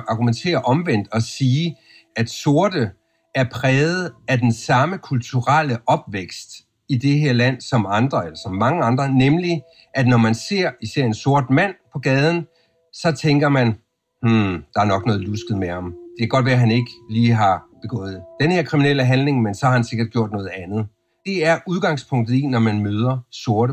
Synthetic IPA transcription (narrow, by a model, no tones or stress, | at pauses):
ʔɑ̈ɡ̥ument͡sʰe̝̰ːɐʔɒ̽mʋen̰d̥ɒ̽siː | æd̥so̝ɐd̥ə | æɐpʰʁɛːð̩ˠæd̥ensɑ̈məkʰult͡sʰuʁal̰əʔɒ̽b̥ʋeɡ̥sd̥ | id̥e̝ɦeɐ̰læn̰sɒ̽mɑ̈nd̥ʁɐelɐsɒ̽mːɑ̈ŋəɑ̈nd̥ʁɐnemli | ʔæd̥nɒmænse̝ɐ̰isæɐ̰e̝nso̝ɐd̥mæn̰pʰɒ̽ɡ̥ɛːð̞ˠn̩ | sɒ̽t͡sʰeŋɡ̥ɐmæn | hm̩d̥ɑ̈æɐnɒ̽ɡ̥nɔ̽ːð̩ˠlusɡ̥ð̩ˠmehɑ̈md̥e̝kʰæɡ̥ɒ̽d̥ʋæɐɦæne̝ɡ̥əliːɦɑ̈b̥e̝ɡ̥ɔ̰̽ːð̞̩ˠd̥enhe̝ɐ̰kʰʁiminel̰əɦænleŋmensɒ̽hɑ̈hænse̝ɡ̥ɐd̥̚ɡ̥jo̝ɐ̰d̥nɔ̽ːð̩ˠænð̞̩ˠ | d̥e̝æɐʔuð̞ˠɡ̥ɑ̈ŋspʰɔ̽ŋ̰d̥ð̩ˠinɒmænmøːð̞ˠɐso̝ɐɾə